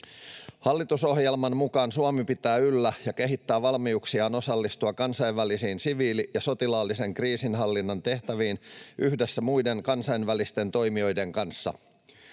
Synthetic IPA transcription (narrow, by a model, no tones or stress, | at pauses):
hɑlːit̪uso̞hjelmɑnmukɑːnsuɑmipit̪æːylːæjɑke̞ɦit̪ːæːʋɑlmiuksiɑːno̞sɑlːist̪uɑkɑnsɑjʋʋælisiːnsiʋiːlijɑso̞t̪ilɑːlːise̞ŋkriːsinɦɑlːinːɑnt̪e̞ht̪æʋiːnʔyhdesːæmujde̞ŋkɑnsɑjnʋælist̪e̞nt̪o̞jmio̞jde̞ŋkɑnsːɑ̰